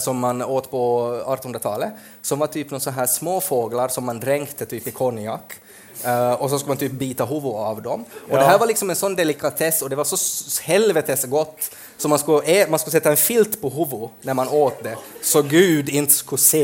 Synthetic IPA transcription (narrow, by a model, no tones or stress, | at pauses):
sɔmːanoːt̪pʰɔɑt̪ənhɵnɾat̪ʰɑːlə | sɔmvɑʈ̪ʰyːpnɔsɔnɦæːʂmoːfoːɡlaɾsɔmːand̪ɾɛŋkt̪ʰət̪ʰyːpɪkʰɔnɪakː | ɔsɔskʉləmant̪ʰyːp̚biːt̪aɦʊvʊavd̪ɔmɔd̪ɛɦæːɾvaɾɭɪksɔmɛnsɔnːd̪ɛlɪkʰat̪ʰɛsːɔd̪ɛvɑɾsɔhɛlvɛt̪ʰɛsɡɔt̪ː | sɔmanskʉʔɛmanskʉlsɛt̪ːaɛnfɪlt̪pʰɔɦʊvʊnæɾmanoːt̪̚d̪ɛsɔɡʉːd̪ɪnt̪skʉseː